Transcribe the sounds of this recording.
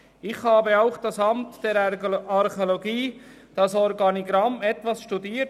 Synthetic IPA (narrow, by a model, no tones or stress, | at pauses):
ɪχhɑːbəaʊχd̥ɑsɑmtd̥ɛɾɑɾχeoloɡiː | d̥ɑsɔɾɡɑniɡɾɑmɛtʋɑsʃtudiːt